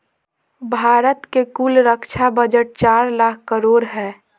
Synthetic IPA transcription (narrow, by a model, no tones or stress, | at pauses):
bʱaːɾət̪kekuːlɾəkʃʰabəd͡ʒəʈ̚t͡ʃaːɾlaːk̚ʰkəɾoːɾɦɛː